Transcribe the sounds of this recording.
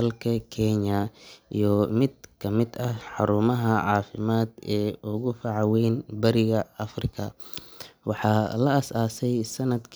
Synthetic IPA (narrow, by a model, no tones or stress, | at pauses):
ɐlkʰɐkʰɛɲɐḭjɔmɪd̪̚kʰɐmɪd̪ɐhħɑɾuːmɐɦɐʕɑːfɪmaːd̪ɛːʔʊɣʊfɐʕɑwɛjnbɐɾɪɣɐɐfrɪkʰɐ | wɑħɑːlɐɐsaːsɛjsɐnɐd̪kʰ